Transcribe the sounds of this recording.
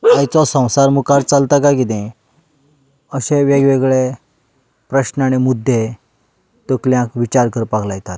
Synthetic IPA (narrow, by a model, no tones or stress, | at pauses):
ajt͡sɔsə̃w̃saɾmukaɾt͡salt̪akakit̪ẽ | əɕẽʋeɡʋeɡɭe | pɾəɕnañemud̪ʱːe | t̪əkljãkʋit͡ɕaɾkəɾpaklajt̪at̪̚